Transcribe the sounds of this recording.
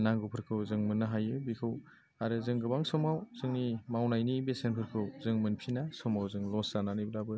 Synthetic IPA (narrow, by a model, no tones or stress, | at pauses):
naŋɡupʰɯɾkʰɯwzɯŋmɯnːaɦajɯbikʰɯw | aɾɯzɯŋɡɯbaŋsɔmawz̥ɯŋnimawnajnibesenpʰɯɾkʰɯwzɯŋmɯnpʰinasɔmawzɯŋlɔsananɯjblabɯ